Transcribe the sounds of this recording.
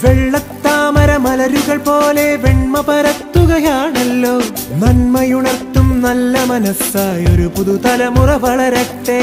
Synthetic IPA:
ʋeɭːɐt̪ːaːmɐɾɐmɐlɐɾuɣɐɭpoːleʋeɳmɐpɐɾɐt̪ːuɣɐjaːɳɐlːoː | nɐnmɐjuɳɐrt̪ːumnɐlːɐmɐnɐsaːjoɾupuðut̪ɐlɐmurɐʋɐɭɐɾɐʈːe

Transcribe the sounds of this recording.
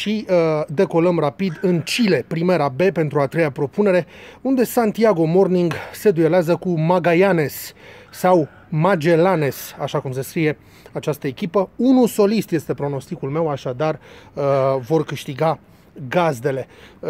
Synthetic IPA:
ʃid̪e̞ko̞ləmrapid̪ɨnt͡ʃile̞pɾime̞ɾabe̞pe̞nt̪ɾuat̪ɾe̞japɾo̞pune̞ɾe̞und̪e̞sant̪iaɡo̞mo̞rniŋɡse̞d̪ueleazəkumaɡajane̞sː | aw | mad͡ʒe̞lane̞saʃakums̬e̞skɾije̞ | at͡ʃast̪əe̞kʲipəunuso̞list̪je̞st̪e̞pɾo̞no̞st̪ikulme̞waʃad̪arəvo̞rkɨʃt̪iɡa | ɡazd̪e̞le̞

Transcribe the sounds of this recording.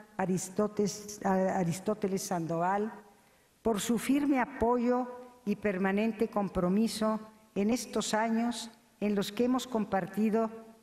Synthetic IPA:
aɾist̪ot̪elesːand̪oɣal | po̞ɾsufiɾme̞apo̞ʝo̞ipe̞ɾmanẽ̞nt̪e̞ko̞mpɾo̞miso̞ | ene̞st̪o̞saɲos | e̞nlo̞skeemo̞sko̞mpaɾt̪iðo̞

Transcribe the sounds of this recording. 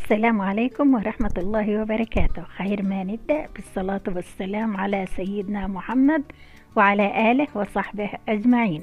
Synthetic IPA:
ʔʔasːalaːmʕaleːkʊmwɑɾˤɑħmat̪ɑlˤːɑːɦɪwɪbɑɾˤɑkaːt̪ʊhxeːɾmanɪb̚d̪aʔb̥ɨsˤːɑlɑːt̪wɪsːalaːmʕalasajːɪd̪namʊħamːad̪ | wɪʕalaːʔaːlɪhwɪsˤɑħbɪhʔad͡ʒmaʕiːn

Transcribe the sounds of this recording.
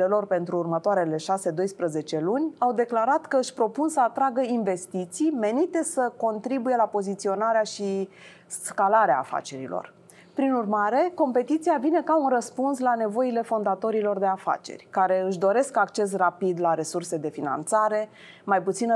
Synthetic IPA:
e̞lo̞rpe̞nt̪ɾuːrmət̪oaɾe̞le̞ʃase̞d̪o̞jspɾəze̞t͡ʃe̞lunʲawd̪e̞klaɾat̪kəɨʃʲpɾo̞punsəat̪ɾaɡəinve̞st̪it̪sijme̞nit̪e̞səko̞nt̪ɾibuje̞lapo̞zit̪sio̞naɾeaʃi | skalaɾea̰ːfa̰t͡ʃe̞ɾḭlo̰r | pɾinurmaɾe̞ko̞mpe̞t̪it̪sijavine̞kaunrəspunslane̞vo̞ile̞fo̞nd̪at̪o̞ɾilo̞rd̪e̞afa̰t͡ʃe̞̰rʲkaɾe̞ɨʃ̬d̪o̞ɾe̞skakt͡ʃe̞s̬rapid̪laɾe̞surse̞d̪e̞fina̰nt̪saɾe̞ | majput̪sinə

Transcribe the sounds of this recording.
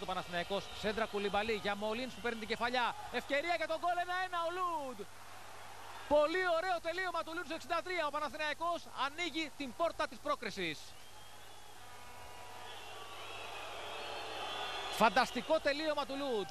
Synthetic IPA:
t̪o̞pɐnɐθinɐiko̞sse̞nd̪ɾɐkulibɐliʝɐmo̞linspupeɾnit̪iɲɟe̞fɐʎɐ | e̞fce̞ɾiɐʝet̪oɡo̞le̞nɐe̞nɐolud̪ | po̞lio̞ɾe̞o̞t̪e̞lio̞mɐt̪ulud̪se̞ksind̪ɐt̪ɾiɐopɐnɐθinɐiko̞sɐniʝit̪imbo̞ɾt̪ɐt̪ispɾo̞kɾisis | fɐnd̪ɐst̪iko̞t̪e̞lio̞mɐt̪ulud̪

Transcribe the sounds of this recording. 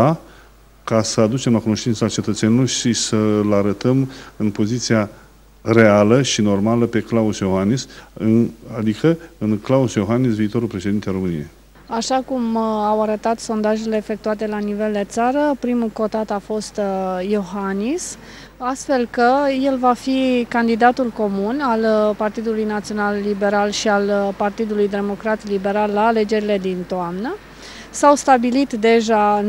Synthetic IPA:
a | kasəad̪ut͡ʃe̞mlakuno̞ʃt̪int̪səat͡ʃe̞t̪ət̪sjeniloʃisəlaɾət̪əmɨnpo̞zit̪sia | re̞aləʃino̞rmaləpe̞klausjo̞xanisɨnad̪ikʰəɨnklausjo̞xanisviːt̪o̞ɾulpɾe̞ʃe̞d̪int̪eaɾo̞mɨnḭjej | aʃakumawaɾət̪at̪so̞nd̪aʒele̞ːfek̚t̪uat̪e̞lanive̞ld̪e̞t̪saɾəpɾimuko̞t̪at̪afo̞st̪jo̞ɦanis | ast̪fe̞lkəje̞lvafikand̪id̪at̪ulko̞munalpart̪id̪ulujnat̪sio̞nalːibe̞ɾalʃialpart̪id̪ulujd̪e̞mo̞kɾat̪libe̞ɾalːaːle̞d͡ʒe̞ɾile̞d̪int̪oamnə | sawst̪abilit̪d̪e̞ʒa

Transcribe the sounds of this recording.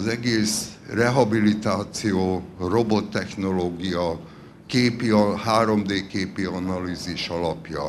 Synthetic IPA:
zɛɡeːsrɛɦɒbilit̪aːt̪sijoːro̞bo̞t̪ːɛxno̞loːɡijɒ | keːpiɒhaːɾo̞md̪eːkeːpiɒnɒliːziʃɒlɒpjɒ̰

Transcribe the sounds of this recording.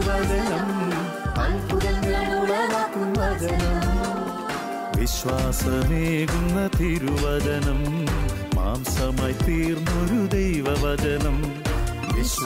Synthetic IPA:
ʋɐd͡ʒɐnɐm | ɐnpuɾɐnɐmuːlɐʋɐk̪uʋɐd͡ʒɐnɐm | ʋiʃʋaːsɐmeːɡunːɐt̪iːɾuʋɐd͡ʒɐnɐm | ma̰ːmsɐmɐjt̪iːɾmoɾud̪ɐjʋɐʋɐd͡ʒɐnɐm | ʋiʃ

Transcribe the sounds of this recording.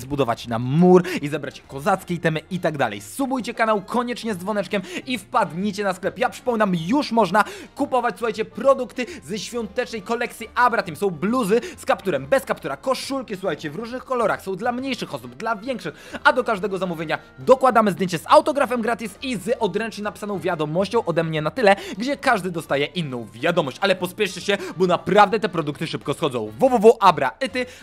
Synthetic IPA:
zbud̪ɔva̰t͡ɕna̰muɾizɛbɾat͡ɕkɔzat̪skʲɛit̪ɛmɛʔit̪aɡd̪a̰lɛ̰jsubujt͡ɕɛkanawkʰɔɲɛt͡ʂɲɛzvɔnɛt͡ʂkʲɛmifpad̪ɲit͡ɕɛnasklɛpjapʂɘ̥pɔmʲinamjuʂmɔʐnakupɔvat͡ɕʲsuxajt͡ɕɛpɾɔd̪ukt̪ɘzɛɕfʲjɔnt̪ɛt͡ʂnɛjkɔlɛk̚t̪sʲiʔabɾat̪imsɔ̃w̃bluzɘskapt̪uɾɛmbɛskapt̪uɾakɔʂulkʲisuxajt͡ɕɛvɾuʐnɘxkɔlɔɾaxsɔ̃w̃d̪lamɲejʂɘxɔsubd̪lavʲjɛŋkʂɘxad̪ɔkaʐd̪ɛɡɔzamuvʲeɲa | d̪ɔkwad̪amɘzd̪jeɲt͡ɕɛzawt̪ɔɡɾafɛmɡɾat̪ʲisizʔɔd̪ɾɛnt͡ʂɲɛnapi̥sanɔ̃w̃vʲjad̪ɔmɔɕt͡ɕɔ̃w̃ʔɔd̪ɛmɲɛnat̪ɘlɛɡd͡ʑɛkaʐd̪ɘd̪ɔst̪ajɛʔinːɔ̃w̃vʲjad̪ɔmɔɕt͡ɕalɛpɔspʲjɛʂɘɕɛbɔnapɾavd̪ɛt̪ɛpɾɔd̪uk̚t̪ɘʂɘpkɔsxɔd̪ɔ̰̃w̃vuvuvuʔabɾa̰ɛt̪ɘ

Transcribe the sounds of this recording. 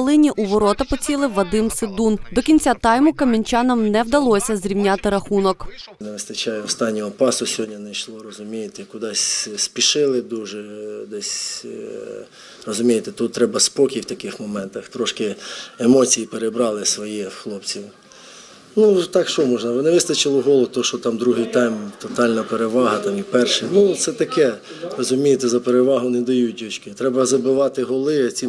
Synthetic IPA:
lˠɪnʲiʔuʋɔɾɔt̪ɐpɔt͡sʲilˠɪʋɐd̪ɪmsɪd̪und̪ɔkʲinʲt͡sʲat̪ɑjmʊkɐmʲinʲt͡ʃɑnɔmnɛwd̪ɐlˠɔsʲɐzɾʲiwnʲat̪ɪɾɐxunɔkneʋɪst̪ɐt͡ʃɑjʊwst̪ɑnʲːɔɔpɑsʊsʲɦɔdʲnʲɐnɐjʃlˠɔɾɔzʊmʲijet̪ɪkʊd̪ɑsʲspʲiʃɪlˠɪd̪uʒɛd̪ɛsʲ | ɾɔzʊmʲijet̪et̪ut̪̚ːɾɛbɐspɔkʲiwt̪ɐkɪxmɔmɛnt̪ɐxt̪ɾɔʃkɪemɔt͡sʲijipeɾebɾɑlˠɪsʋɔjɛxlˠɔpt͡sʲiw | nut̪ɑkʃt͡ʃɔmɔʒnɐʋɪnɪʋɪst̪ɐt͡ʃɪlˠɪɦɔlˠɔt̪ɔʃɔt̪ɑmd̪ɾuɦɪjt̪ɑjmt̪ɔt̪ɑlʲnɐpeɾeʋɑɦɐt̪ɑmipɛrʃɪnut̪sɛt̪ɐkɛ | rɔzʊmʲijet̪ɛzɐpeɾeʋɑɦʊned̪ɐjut̚ʲd̪ʲɔt͡ʃkɪt̪ɾɛbɐzɐbɪʋɑt̪ɪɦɔlˠɪɐt͡sʲi

